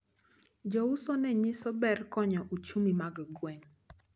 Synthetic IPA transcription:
d͡ʒɔʊsɔnɛɲɪsɔbɛrkɔɲɔʔut͡ʃumimaɡɡwɛŋ

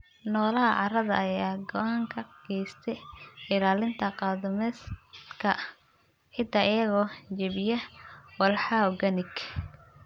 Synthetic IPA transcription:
nɔːlɐɦɐʕɑrɐðɐːjaːɡɔʔaːŋkʰɐɡ̥ɛjst̪ʰɛɪlaːlɪnt̪ʰɐqɑːðɐmɛskʰɐ | ħɪd̪aʔɪjɐɣɔːd͡ʒɐβɪjɐwɐlħɑwɡɐnɪɡ

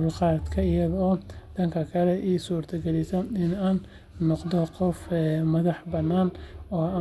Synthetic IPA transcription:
lqɑːd̪kʰɐɪjɐðɔːd̪̥ɐŋkʰɐkʰɐlɛʔiːsuːrt̪ʰɐɡɛlɪsɐɪnaːnː | ɔqd̪ɔqɔfmɐðɑħbɐnːaːnɔːa

